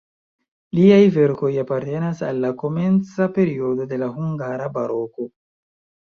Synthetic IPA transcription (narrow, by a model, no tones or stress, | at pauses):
liajve̞ɾko̞japaɾte̞nasalːako̞me̞nt͡sape̞ɾio̞do̞de̞laɦuŋɡaɾabaɾo̞ko̞